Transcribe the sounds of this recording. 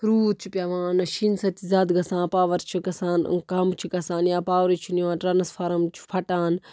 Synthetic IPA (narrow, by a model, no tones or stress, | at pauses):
ɾuːt̪t͡ʃʰipʲjɐʋaːnɐʃinsɐt̪izaːd̪ɡɐsãːnpaːʋɐɾt͡ʃʰiɡɐsãːn̰kɐmt͡ʃʰikɐsãːnjãːpaːʋɾit͡ʃʰiniʋãːnʈɾɐnɐspʰɐɾɐmt͡ʃʰi̥pʰɐʈaːn